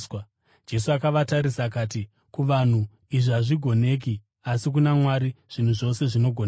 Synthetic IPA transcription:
d͡ʒe̞suakaʋataɾisak̬aːti | kuʋan̤u | iʐiaʐiɡʱo̞ne̞ːk̬i | asik̬unamwaɾiʐ̥in̤uʐo̞se̞ʐino̞ɡʱone

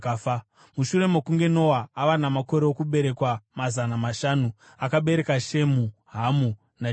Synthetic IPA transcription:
muʃure̞mokuŋɡe̞no̞waːʋanamako̞ɾeokuɓe̞ɾe̞kwamazanamaʃanu | akaɓe̞ɾe̞kaʃe̞muɦamu | na

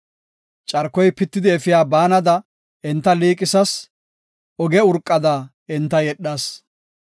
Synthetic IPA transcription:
t͡ʃʼɐɾkːɔjpɪt̪ːɪd̪ɪɛfɪjaːbaːnɐd̪ɐ | ɛnt̪ːɐliːkʼɪsɐs | ɔɡɛʊɾkʼːɐd̪a | ɪnt̪ːɐjɛɗaːs

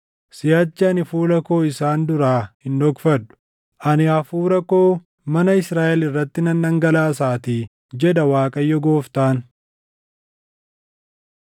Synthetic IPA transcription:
sɪjaːt͡ʃːɐɐnɪfuːlɐko̞ːɪsaːnd̪ʊɾaːhɪnd̪ɔkfɐd̪ːʊ̥ | ʔɐnɪɐfuːɾɐko̞ː | mɐnɐɪsɾaːʔɛlɪrːɐt̪ːɪnɐnːɐŋɡɐlaːs̬aːt̪iː | d͡ʒɛd̪ɐwaːkʼɐjːɔɡo̞ːft̪aːn

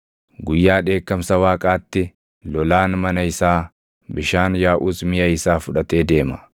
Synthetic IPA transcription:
ɡʊjːaːᶑe̞ːkːɐmsɐwaːkʼaːt̪ːɪ | lɔlaːnmɐnɐɪsaː | bɪʃaːnjaːʔuːsmɪjɐɪsaːfʊᶑɐt̪e̞ːd̪e̞ːmɐ̥

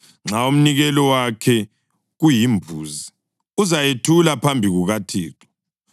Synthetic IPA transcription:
ŋ͡ǁaum̩niɣɛlɔwakʰɛ | ɣujimbʱuːzi | uzajetʰulapʰambʱiɣuɣatʰḭːtɔ̥

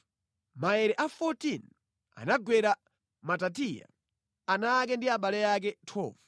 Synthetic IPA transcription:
maɛɾɛʔafɔtin | a̰naɡwɛɾa | matat̬ija̰ | anak̬ɛndiaɓalɛjak̬ɛtʰɔ̰v

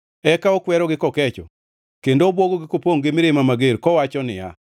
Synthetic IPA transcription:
ɛkaokwɛɾɔɡɪkɔkɛt͡ʃɔ̰ | kendoːbwoɡoɡɪkopoŋɡɪmɪɾɪmamaɡeɾkɔwat͡ʃɔnɪja̰

